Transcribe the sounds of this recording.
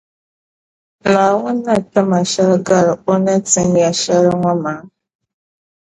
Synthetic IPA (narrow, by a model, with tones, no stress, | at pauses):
la˨wa˦na˦˨ta˦ma˨ʃa˦ɾɡa˦ɾo˦na˦t͡si˦ŋ˦ja˨ʃa˦ɾŋʷa˦ma˨˦